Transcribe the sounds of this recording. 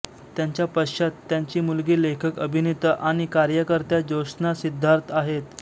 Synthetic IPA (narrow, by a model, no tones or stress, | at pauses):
t̪ːjaɲt͡ɕjapəɕat̪ːjaɲt͡ɕiːmulɡiːlekʰəkəbʱinit̪əʔaɽ̃ikaɾjəkəɾt̪jad͡ʑoɕnasid̪ʱːaɾt̪aɦet̪